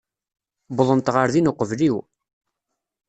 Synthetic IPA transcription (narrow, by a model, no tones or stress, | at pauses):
bðˤənt̪ʁəɾðinoqəvliw